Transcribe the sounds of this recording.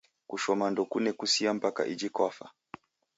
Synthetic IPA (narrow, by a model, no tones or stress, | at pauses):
kuʃɔmandɔkunɛkusiam̩paka̰ʔid͡ʒikwafa̰